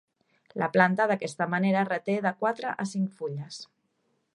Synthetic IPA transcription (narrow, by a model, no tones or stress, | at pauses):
laplant̪að̞akɛst̪amaneɾarət̪eðakwat̪ɾaʔasiŋkfuʎas